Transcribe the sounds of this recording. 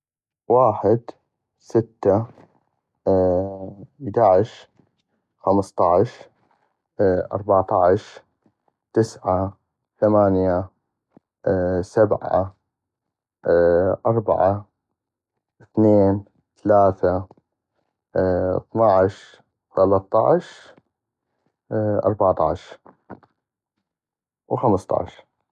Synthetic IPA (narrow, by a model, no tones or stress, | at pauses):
waːħɪd̪ | sɪt̪ːa | d̪aʕɪʃ | xamst̪ˤɑʕʃ | ʔɑ̰ɾˤbaʕt̪ˤɑʕʃ | t̪ɪsʕa | θamaːnja | sabʕa̰ | ʔɑɾˤba̰ʕa | ɪθneːn | θalaːθa | θnɑʕʃ | θalɑt̪ˤːɑ̰ʕʃ | ʔɑ̰ɾˤbɑʕt̪ˤɑ̰ʕʃ | wxamst̪ˤɑ̰ʕʃ